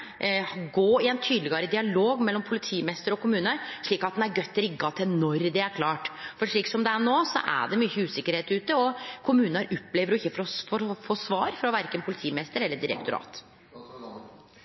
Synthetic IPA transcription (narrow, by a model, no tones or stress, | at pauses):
ɡoːɪɛnt̪ʰyːd̪lɪɡɑɾəd̪ɪɑloːɡmɛlːɔmpʰʊlɪt̪ʰiːmɛst̪əɾɔkʰʊmʉːnəɾʂɭiːkɑt̪̚d̪ɛnæɾɡœt̪ːɾɪɡːɑt̪ʰɪnɔɾd̪ɛæɾkʰlɑːʈfɔʂɭiːksɔmd̪ɛæɳoːsɔ̰ʔæ̰ɖɛmyːçəʉːsɪkːəɾheːt̪ʉːt̪əɔkʰʊmʉːnəɾɔpːleːʋəɾʊɪçːəfɾɔfɔfoːsʋɑːɾfɾɑʋæɾkənpʰʊlɪt̪ʰiːmɛst̪əɾɛlːəɖɪɾɛ̰k̚t̪ʊɾɑ̰ːt̪